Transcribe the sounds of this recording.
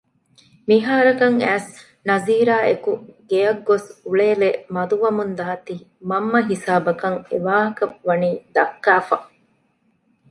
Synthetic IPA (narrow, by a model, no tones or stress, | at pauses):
miɦaːɾɐkɐŋæːs | nɐziːɾaːʔekuɡ̥ejɐɡːosuɭeːlemɐd̪uʋɐmund̪ɐːɐt̪iːmɐmːɐɦisaːbɐkɐŋḛʋaːɦɐkɐʋɐniːd̪ɐkːaːfɐ